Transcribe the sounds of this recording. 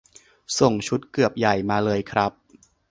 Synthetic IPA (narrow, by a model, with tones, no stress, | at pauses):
so˨˩ŋt͡ɕʰu˦˥t̪̚kɯ˨˩əp̚ja˨˩jmaː˧lɤː˧jkʰɾa˦˥p̚